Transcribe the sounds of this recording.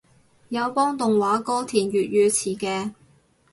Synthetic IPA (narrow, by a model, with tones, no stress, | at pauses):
jɐ˨˧wpɔː˥ŋt̪ʊ˨ŋwaː˨˥kɔː˥t̪ʰiː˨˩njyː˨t̚jyː˨˧t͡sʰiː˨˩kɛː˧